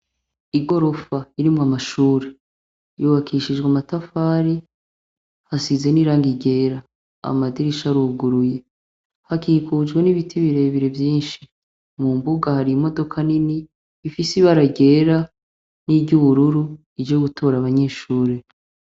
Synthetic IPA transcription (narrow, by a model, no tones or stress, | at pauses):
iɡo̞ɾo̞faiɾimamaʃuːɾe | juβakʰiʃid͡ʒɡwamatafaɾi | hasize̞niːɾaːŋɡiɟe̞ːɾa | a̰madiɾiʃaɾuːɡuɾuje̞ | hakikud͡ʒɡwe̞niβitʰiβiɾe̞βiɾe̞vjiːnʃi | mumbuɡahaɾimo̞do̞kʰaniniː | fisiβaɾaɟe̞ːɾa | niɟuβuɾuɾu | id͡ʒoɡutʰo̞ːɾaβaɲe̞ːʃuːɾe̞